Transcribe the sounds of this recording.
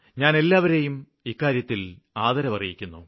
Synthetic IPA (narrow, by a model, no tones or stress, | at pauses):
ɲaːne̞lːaːʋɐɾe̞jum | ikːaːɾjɐt̪ːil | aːðɐɾɐʋɐrijikʲːunːu